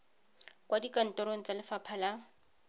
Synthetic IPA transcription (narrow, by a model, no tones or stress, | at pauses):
kwadikan̩tʼɔɾoŋ̩t͡salɪfapʰala